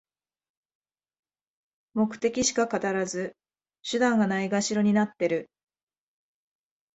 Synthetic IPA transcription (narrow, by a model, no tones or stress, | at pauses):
mo̞kɯ̟̥t̪e̞kʲiɕi̥kakat̪aɾazɨ | ɕɨd̪ãŋɡanaiɡaɕiɾo̞ɲ̟inat̪ːe̞ɾɯ̟